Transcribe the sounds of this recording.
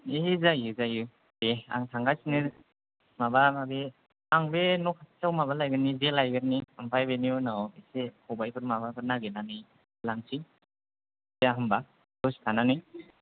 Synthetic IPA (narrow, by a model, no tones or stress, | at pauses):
eizajɯzajɯ | bea̰ŋtʰaŋɡasinɯ | mabamabe | aŋbenɔkʰatʰsawmabalajɡɯnizelajɡɯniɯmpʰajbeniɔnawisekʰɔwbajkʰɯɾmabakʰɯɾnaɡenani | laŋsʰi | seaɦɯmba | dɔskʰanani